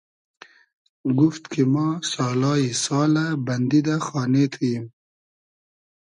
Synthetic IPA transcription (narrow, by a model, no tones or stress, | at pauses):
ɡuft̪kʰimasɑːlɑːjisɑːlaband̪id̪axɑːnet̪ʰujim